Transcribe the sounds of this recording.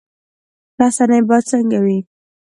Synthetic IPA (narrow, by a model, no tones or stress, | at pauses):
ɾasanəjbɑt͡səŋɡawi